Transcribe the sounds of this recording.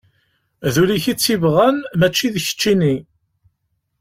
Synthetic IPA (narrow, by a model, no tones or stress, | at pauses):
ðuliçit͡sːivʁænmæt͡ʃːiðçə̥t͡ʃːini